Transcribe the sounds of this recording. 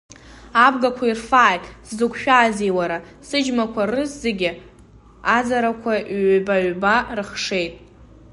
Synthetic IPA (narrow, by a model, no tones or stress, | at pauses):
abɡakʷʰairfaːjtʼszɨkʷʰʃᶣaːzejwaɾa | sɨd͡ʒmakʷʰarɨszeɡʲɪ | azaɾakʷʰabaɥbarɨχʂe̞jtʼ